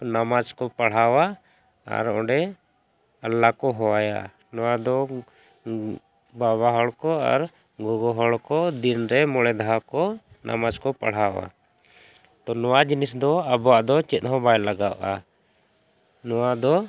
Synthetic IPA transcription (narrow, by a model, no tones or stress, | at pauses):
namad͡ʒkɔpaɽ̤awa | a̰ɾɔ̃ɖɛ | alːakɔɦɔwaja̰ | nɔwad̪ɔ | baβaɦɔɭkɔa̰ɾ | ɡɔɡɔɦɔɭkɔd̪inɾɛmɔɽɛd̪aɦakɔ | na̰mad͡ʒkɔpa̰ɽ̤awa̰ | t̪ɔnɔwad͡ʒinisd̪ɔabɔwaʔd̪ɔt͡ʃɛt̪̚ˀɦɔ̃bajlaɡawʔa | nɔwad̪ɔ